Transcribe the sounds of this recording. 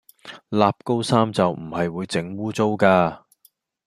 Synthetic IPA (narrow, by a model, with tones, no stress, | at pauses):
laː˨˧p̚ko˥wsaː˥mt͡sɐ˨wm̩˨˩hɐ˨jwuː˨˧jt͡sɪ˨˥ŋwuː˥t͡so˥wkaː˧